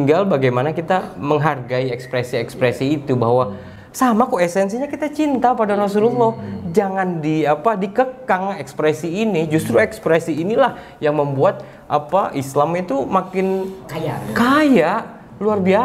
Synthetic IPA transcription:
ŋɡalbaɡajmanakit̪aməŋɦarɡaiɛkspɾɛsiɛkspɾɛsiːt̪uba̰ɦwa | samakoɛsɛnsiɲakit̪at͡ʃint̪apadaɾas̬ululːɔhd͡ʒaŋandiapadikəkaŋɛkspɾɛsiːnid͡ʒust̪ɾuɛkspɾɛsiːnilah | jaŋməmbuat̪̚ | ʔapaʔislamit̪umakɪnjkajaʔ | luarbia

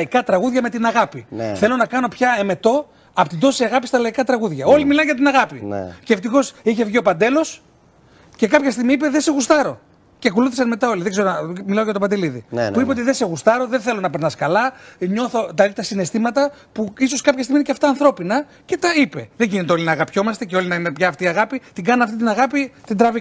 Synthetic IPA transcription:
ikɐt̪ɾɐɣuðʝɐme̞t̪inɐɣɐpiθe̞lo̞nɐkɐno̞pçɐeme̞t̪o̞ | ɐpot̪id̪o̞siɐɣɐpist̪ɐlɐikɐt̪ɾɐɣuðʝɐo̞limilɐnʝɐt̪inɐɣɐpḭn̰kceft̪ixo̞siçevʝio̞pɐnd̪e̞lo̞s | ce̞kɐpçɐst̪iɣmiipeðese̞ɣust̪ɐɾo̞ | cekoluθisɐnme̞t̪ɐo̞liðe̞ɡzse̞ɾomilɐo̞ʝɐt̪o̞pɐnd̪e̞liðiuipeo̞t̪iðe̞se̞ɣust̪ɐɾo̞ðenθe̞lo̞nɐpe̞ɾnɐskɐlɐɲo̞θo̞t̪ɐlit̪ɐsine̞st̪imɐt̪ɐ | puis̬o̞skɐpçɐst̪imineɐft̪ɐːnθɾo̞pinɐ | ce̞t̪ɐipe̞ðe̞ɟinit̪eo̞linɐːɣɐpço̞mɐst̪eceo̞linɐinepçɐːft̪iːɐɣɐpit̪iɡɐnɐnɐft̪it̪inɐɣɐpit̪ind̪ɾɐvik

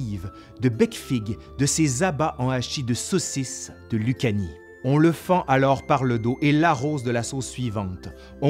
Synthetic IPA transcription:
iv | d̪əbɛkfiɡ | d̪əsezabaʔɑ̃aʃid̪əsɔsis | d̪̥əlykʲani | ɔ̃ləfɑ̃ʔalɔʁpaʁləd̪oʔelaʁozd̪əlasozsɥivɑ̃t̪ | ɔ̃

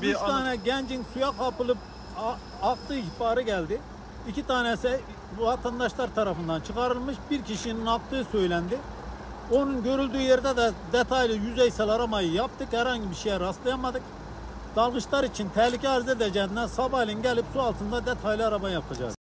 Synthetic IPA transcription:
bit̪ʰɑːnɛɟænd͡ʒinsujɑqɑpɯlˠɯp̚ | ɑqt̪ɯipɑɾɯɡælʲd̪iː | cʰit̪ʰɑːnɛsi | vɑt̪ʰɑnd̪ɑʃlˠɑɾt̪ʰɑɾɑfɯnd̪ɑnt͡ʃʰɯqɑɾɯlˠmɯʃbiɾkʲʰiʃininɑq̚t̪ɯːsøjlænd̪i | onunɡø̞ɾylʲd̪yːjeɾid̪ɛd̪ɛd̪ɛt̪ʰɑjlˠijyzɛjsɛlˠɑɾɑmɑjɯjɑp̚t̪ɯkhæɾhɑɲɟibiɾʃejɛɾɑslˠɑjɑmɑd̪ɯk | d̪̥ɑlˠʁɯʃlˠɑɾit͡ʃʰint̪ʰɛhlicʲʰɛɑɾzid̪ɛd͡ʒɛd̪nɛsɑbɑjlˠinɟælipsuɑlˠt̪ʰɯnd̪ɑd̪ɛt̪ʰɑjlˠiɑɾɑbɑnjɑp̚t̪ʰɑd͡ʒɑ̰d̪ɯ

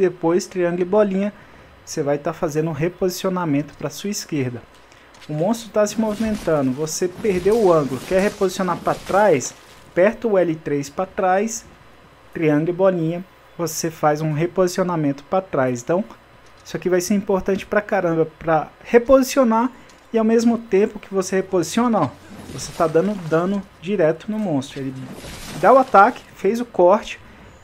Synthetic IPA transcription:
d̪epojst̪ɾiɐ̃ŋɡlɪbɔlĩɲɐ | vosevajt̪afazẽnd̪ʊũɦepozisionamẽnt̪ʊ̥pɾɐsuɐiskeɾd̪ɐ | ʊmõst̪ɾʊt̪asɪmovimẽnt̪ɐ̃nd̪ʊvosepeɾd̪ewʊɐ̃ɡʊlʊkɛɾhepozisionaɾpɾɐt̪ɾajs | pɛɾt̪ʊʊɛlɪt̪ɾejspɾɐt̪ɾajs | t̪ɾiɐ̃ŋɡlɪbɔlĩɲɐ | vosefajzũɦepozisionamẽnt̪ʊ̥pɾɐt̪ɾajsẽnt̪ɐ̃w̃ | i̥sʊakivajseɾĩpoɾt̪ɐ̃t͡ʃɪ̥pɾɐkaɾɐ̃mbɐpɾɐhepozisionaɾ | ɪawmezmʊt̪ẽpʊkɪvosehepozisiõnovose̥t̪ad̪ɐ̃nʊd̪ɐ̃nʊd͡ʒiɾɛt̪ʊnʊmõst̪ɾʊelɪd̪aʊat̪akɪ̥fejzʊkɔɾt͡ʃɪ̥

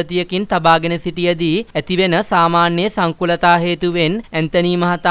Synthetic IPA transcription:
ət̪ijəkint̪abaːɡenəsiʈijəd̪iæt̪iʋenəsaːmaːnjeəsaŋkulɐt̪aːɦeːt̪uʋenænt̪ɐniːmɐɦɐt̪a

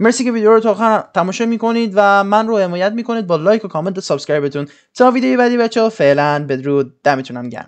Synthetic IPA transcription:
meɾsiːkevid̪eoɾot̪ʰɒxænt̪ʰæmɒːʃɒːmiːkʰo̞niːd̪væmænrohe̞mɒːjæt̪̚miːkʰo̞niːd̪̚bɒːlɒːjkʰokʰɒːment̪ʰesɒbskɾɑjbet̪ʰun | t̪ʰɒːvid̪ejebæd̪ibæt͡ʃʰːeofeʔlænbed̪ɾuːd̪̚d̪̥æmet̪ʰunæmɟæ̰n

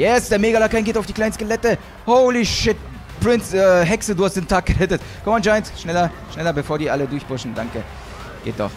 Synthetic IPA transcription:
jɛsd̥eːɐmeːɡalakʰaɪnɡeːtaʊfd̥iːklaɪnəskelɛtə | hoʊliʃɪt̚ | pʁ̥ɪnsɛɦɛksəduːhastd̥eːntʰaːk̚ɡ̥əʁɛtət | kʰɔmand͡ʒaɪntʃnɛlɐ | ʃnɛlɐbəfoːɐdiːʔalədʊɐçb̥ʊʃn̩daŋkə | ɡ̥ḛːt̚d̥ɔ̰χ

